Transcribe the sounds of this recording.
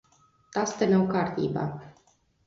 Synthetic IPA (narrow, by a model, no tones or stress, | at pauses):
t̪ast̪emewkart̪ʲḭba̰